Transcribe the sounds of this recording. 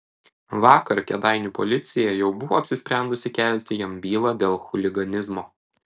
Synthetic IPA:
ʋɑːkɐɾkʲɛd̪ɑɪnʲuːpɔ̰lʲɪt̪sʲɪjɛjɛʊbʊʋoːɐpʲsʲɪsʲpʲɾʲænd̪ʊsʲɪkʲɛlʲt̪ʲɪjɛmbʲiːlˠɑːd̪ʲeːlˠxʊlʲɪɡɐnʲɪzmoː

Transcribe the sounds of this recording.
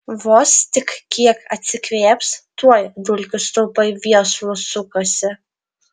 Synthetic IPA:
ʋoːst̪ʲɪkkʲiɛkɐt̪ʲsʲɪkʋʲeːpst̪uɔjd̪ʊlʲkʲʊst̪ʊːpɐɪʋʲiɛslˠʊsʊkosʲɪ

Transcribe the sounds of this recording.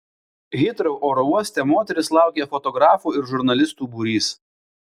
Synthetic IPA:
ɣʲɪt̪ɾɔʊʔoːɾɔuɔsʲt̪ʲɛmoːt̪ʲɛɾʲɪslˠɑˑʊkʲɛfɔt̪ɔɡɾɑːfuːɪɾʒʊɾnɐlʲɪst̪uːbuːɾʲiːs

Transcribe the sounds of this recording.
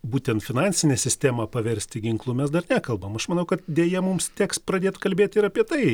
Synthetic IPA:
buːt̪ʲɛnt̪fʲɪnɑːnʲsʲɪnʲɛːsʲɪsʲt̪ʲæːmɑːpɐʋʲɛɾʲsʲt̪ʲɪɡʲɪŋklˠuːmʲɛsd̪ɐrnʲæːkɐlˠbɐmɐʃmɐnɐʊkɐt̪̚d̪ʲeːjɛmʊmst̪ʲɛːkspɾɐd̪ʲeːt̪kɐlʲbʲeːt̪ʲɪɾɐpʲiɛt̪ɐɪ

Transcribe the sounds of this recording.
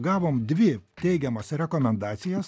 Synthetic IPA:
ɡɑːʋoːmd̪ʲʋʲɪt̪ʲɛɪɡʲɛmɐsɾʲɛkoːmʲɛnd̪ɑːt̪sʲɪjɛs

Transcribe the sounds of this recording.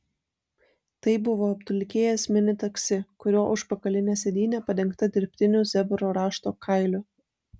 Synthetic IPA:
t̪ɐɪbʊʋoːɐpt̪ʊlʲkʲeːjɛsmʲɪnʲɪt̪ɐksʲɪkʊɾʲoːʔʊʃpɐkɐlʲɪnʲɛːsʲɛd̪ʲiːnʲæːpɐd̪ʲɛŋkt̪ɐd̪ʲɪɾʲpʲt̪ʲɪnʲuːˑsʲɛbʲʊɾoːɾɑːʃt̪oːkʰɐɪlʲʊ

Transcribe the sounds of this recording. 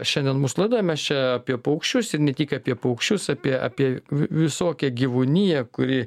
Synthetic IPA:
ʃʲɛnʲd̪ʲɛnmuːslˠɐɪd̪omʲɛst͡ʃʲɛɐːpʲiɛpɐʊkʃʲt͡ʃʲʊsɪɾnʲɛt̪ʲiːkɐːpʲiɛpɐʊkʃʲt͡ʃʲʊsɑpʲiɛɐ̰ːpʲiɛʋʲɪsoːkʲɛɡʲiʋʊnʲijɛkʊɾʲɪ

